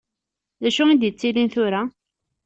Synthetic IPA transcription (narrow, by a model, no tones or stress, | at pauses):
ðæʃuid̪jət͡sːilinθʊɾa